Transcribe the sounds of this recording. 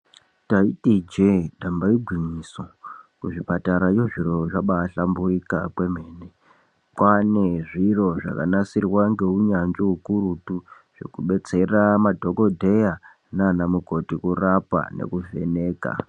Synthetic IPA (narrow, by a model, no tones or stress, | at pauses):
taitid͡ʒeɗambaiɡʱwimisokuʐipataɾajoʐiɾo̞ʐaɓaɬamburikakwe̞m̤e̞ːne | kwane̞ʐiro̞ʐa̰kanasirwaŋɡe̞uɲand͡ʒoukuɾutu | ʐ̥e̞̰kuɓe̞t͡se̞ramadʱo̞ko̞dʱe̞ja | nanamuko̞tikurapa̰ne̞̰kuve̞̰ne̞ːka̰